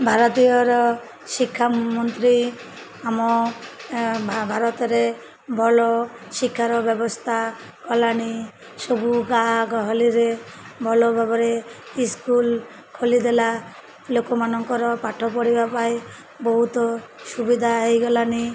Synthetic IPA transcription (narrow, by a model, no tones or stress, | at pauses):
bʱaɾɔt̪ijɔɾɔ | ʃikʰːamɔnt̪ɾi | amɔ | bʱbʱaɾɔt̪ɔɾe | bʱɔlɔsikʰːaɾɔbjɔbɔst̪ʰa | kɔlani | sɔbuɡaɦɡɔɦɔliɾebʱɔlɔbʱabɔɾeiskul | kʰolid̪ela | lokɔmanɔŋkɔɾɔpaʈʰɔpɔɽibapaj | bɔɦut̪ɔsubid̪ʱaɦejɡɔlani